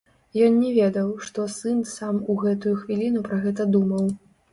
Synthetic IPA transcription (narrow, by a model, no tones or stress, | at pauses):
jɔnnʲɛvʲed̪ɐwʂt̪ɔsɨnsamuɣɛt̪ujuxvʲilʲinupɾɐɣɛt̪ɐd̪umɐw